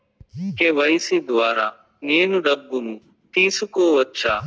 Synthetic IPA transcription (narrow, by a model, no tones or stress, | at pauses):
keːʋəiːsiːd̪ʊʋaːɾaː | neːnuɖəbːunũː | t̪iːsʊkoːʋətːʃʰaː